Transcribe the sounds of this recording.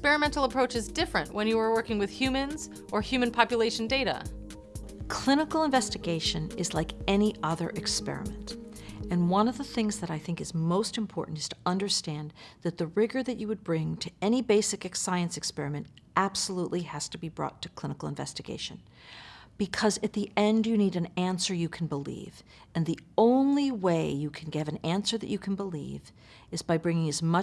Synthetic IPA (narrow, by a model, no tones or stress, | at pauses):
spɛɹɨmɛ̃ntl̩ˠəpʰɹ̥oʊt͡ʃɨzdɪfɹɨ̃nʔwʔə̃njɨə˞wɜ˞kɪ̃ŋwɨð̥hjʉmɨ̃nz | ʔə˞hjʉmɨ̃npʰɑpjɨleɪʃn̩deɪɾə̰ | kʰl̥ɪ̃nəkl̩ˠə̃ɱvɛstɨɡeɪʃɨ̃nɨzlaɪkɛniʔʌðə̰˞ʔɨkspɛ̰ɹɨ̰mɨ̰̃ntɨ̃nwʌ̃nʌvðəθɪ̃ŋzðɨɾaɪθɪ̃ŋkɨzmoʊstɨ̃m̩pʰɔ̰ɹʔn̩tɨz̥tʰə̥ʔʌ̃ndə˞stæ̃nðɨt̪̚ðɨɹɪɡə˞ðɨt͡ʃɨwɨd̚bɹɪ̃ŋtʰɨɛñibeɪsɨkɨksaɪɨ̃nsɨkspɛɹɨmɨ̃ntʔæb̥səluʔˡliɨz̥tʰɨbibɹɔ̰tʰɨkʰl̥ɪ̃ñəkl̩ˠə̃ɱvɛ̰stɨɡḛɪʃɨ̰̃n | b̥ɨkʰʌzɨt̪̚ðiʔɛ̃ndjɨniɾɨ̃næ̃nsə˞jɨkʰn̩bəlḭv | ɨ̃nðiõʊ̃nliweɪjɨkʰn̩ɡɪvɨ̃næ̃nsə˞ðɨ̰t͡ʃɨkʰn̩bəlḭv | ɨzbaɪbɹɪ̃ŋɪ̃ŋɨzmʌ